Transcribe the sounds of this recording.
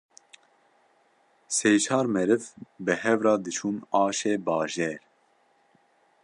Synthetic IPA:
seːjt͡ʃʰɑːɾmɛɾɨvbɨhɛvrɑːd̪ɨt͡ʃʰuːnɑːʃeːbɑːʒɛːɾ

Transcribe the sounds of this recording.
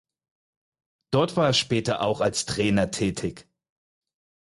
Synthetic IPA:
d̥ɔɐtv̥aːeɛɐʃpɛːtɐʔaʊxalstʁ̥ɛːnɐtʰɛːtʰɪk

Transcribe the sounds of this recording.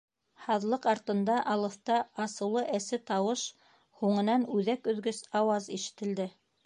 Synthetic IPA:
hɑðlˠɤqɑɾt̪ɤ̆nd̪ɑʔɑlˠɤ̆θt̪ɑɑsɤ̆wlˠɤʔæsɘt̪ɑwɤʃ | huɴɤ̆nɑnʉðækɵ̆ðɡɵsɑwɑziʃɘ̥̆t̪ɘ̆ld̪ɘ

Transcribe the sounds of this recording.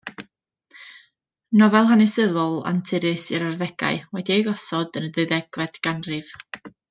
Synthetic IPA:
nɔvɛlˠɦanɪsəðɔlˠa̰ntʰɪɾɨsɨɾarðɛɡ̥a̰ɨwɛdiejɡɔsɔdənðɨɨðɛɡ̥vɛd̥ɡ̥anrɨv

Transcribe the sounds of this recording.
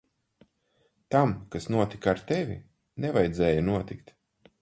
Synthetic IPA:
t̪amkasnuɔt̪ikaaɾt̪ɛvʲḭ | nɛvajd̪zɛːjɐnuɔt̪ikt̪

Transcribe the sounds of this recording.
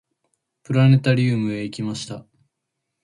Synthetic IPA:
pɯ̟ɾane̞t̪aɾʲɯːmɯ̟eikʲimaɕi̥t̪a

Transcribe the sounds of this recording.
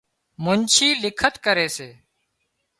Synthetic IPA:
mʊnt͡ʃʰiːlɪkʰət̪kəɾeːseː

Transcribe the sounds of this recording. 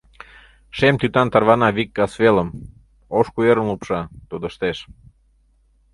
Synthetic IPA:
ʃemt̪yt̪ɑnt̪ɑrβɑnɑβikːɑsveləm | oʃkujeɾənlupʃɑt̪ud̪əʃt̪eʃ

